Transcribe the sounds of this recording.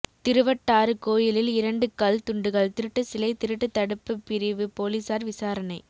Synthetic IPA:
t̪ɪɾɯʋɐʈːaːɾɯkoːjɪlɪlɪɾɐɳɖɯkɐlt̪ʊɳɖɯɣɐɭt̪ɪɾɯʈːɯsɪlɐɪt̪ɪɾɯʈːɯt̪ːɐɽɯpːɯpːɪɾɪʋɯpoːliːsaːɾʋɪsaːɾɐnɐɪ

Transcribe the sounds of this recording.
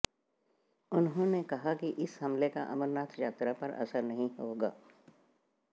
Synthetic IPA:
ʊnɦõnekɐɦakiʔɪsɦɐmlekaʔɐ̰məɾnaːt̪ʰjaːt̪ɾapɐɾɐ̰səɾnɐɦĩɦoːɡa̰ː

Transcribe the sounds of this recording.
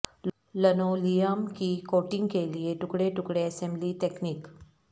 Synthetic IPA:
l | lɐnoːlijəmkikoːʈɪ̃ŋɡkelieʈʊkɽeʈʊkɽeɐsɛ̃mbliʈeːkniːk

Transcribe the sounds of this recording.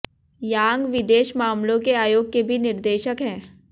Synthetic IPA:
jãːŋɡʋɪd̪eːʃmaːmlõkeaːjoːɡ̚kebʱinɪɾd̪eːʃəkɦɛ̃ː

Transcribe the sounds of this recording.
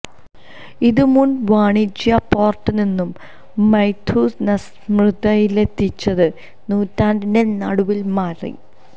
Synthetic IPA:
iðɨmunʋaːɳit͡ɕːjɐpoːrʈːɨninːumː | ɐjt̪ʰːuːsnɐs | mrɨd̪ɐjilet̪ːit͡ɕːɐðɨ | nuːtːaːnɖindenɐɽuʋilmaːrḭ

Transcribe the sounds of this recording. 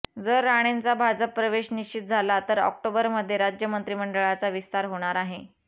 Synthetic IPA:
d͡zəɾːaɽ̃ent͡sabʱad͡zəpːɾəʋeɕniɕt͡ɕit̪̚d͡zʱalat̪əɾɔ̰k̚ʈobəɾməd̪ʱːjeɾad͡ʑjəmənt̪ɾiːməɳɖəɭat͡saʋist̪aɾɦoɽ̃aɾaɦe

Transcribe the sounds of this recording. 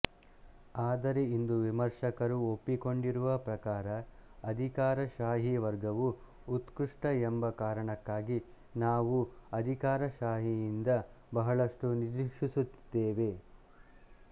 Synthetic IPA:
aːd̪ɐɾeind̪uʋimɐɾʂɐkɐɾuopːiko̞ɳɖiɾuʋɐpɾɐkaːɾɐɐd̪ʱikaːɾɐʃaːɦiʋɐɾɡɐʋuː | t̪kuʂʈɐembɐkaːɾɐɳɐkːaːɡi | naːʋuɐd̪ʱikaːɾɐʃaːɦijind̪ɐ | bɐɦɐɭɐʂʈunidɾikʂisut̪ːd̪̥eːʋe̞

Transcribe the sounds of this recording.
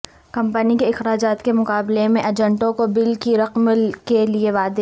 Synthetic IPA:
kɐ̃mpənikeɪxɾaːd͡ʒaːt̪kemʊqaːblemẽʔɐd͡ʒə̃ɳʈõkobɪlkiɾɐqmkelieʋaːd̪e

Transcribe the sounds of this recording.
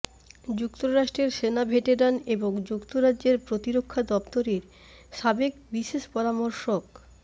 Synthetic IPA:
d͡ʑukt̪oɾaʃʈɾeɾʃenabʱeʈeɾaneboŋd͡ʑukt̪oɾad͡ʑʑeɾpɾot̪iɾokʰːad̪ɔpt̪oɾeɾ | ʃabekbiʃeʃpɔɾamoɾʃok

